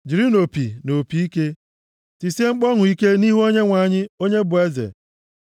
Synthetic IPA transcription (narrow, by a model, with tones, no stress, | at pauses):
d͡ʒi˨ɾi˦no˨pḭ˨no˨pi˨i˦ke˦ | ti˨si˦e˦ŋ͡m̩˦k͡pɔ˦ŋʊ˨i˦ke˦ni˦ɦu˦o˦ɲe˦ŋʷa˨ɲɪ˦o˦ɲe˦bʊ˨e˦zḛ˨